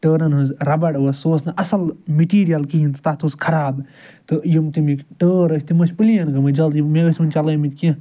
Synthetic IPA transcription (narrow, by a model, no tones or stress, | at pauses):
ʈəːɾɐnɦunzɾɐbɐɽʋɐssoːsnɐʔɐsɐlmiʈiːɾijɐlkiɦint̪t̪ɐt̪ʰoskʰɐɾaːb | t̪ɨjimt̪imikʈəːɾəsʲt̪imɐt͡ʃʰʲpɨlijɐnɡɐmɨd͡ʒɐld̪imeɡɐsʲmɐnt͡ʃɐlɐjmit̪ʲkɐ̃